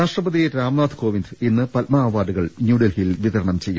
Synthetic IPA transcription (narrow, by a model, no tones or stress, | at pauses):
aːʂʈrɐbɐðijeɾaːmnaːd̪ʰko̞ːʋind̪inːɨpɐlmɐːʋaːɖuɣɐɭnjuːɖɐlhilʋiðɐɾɐɳɐmt͡ɕe̞jːu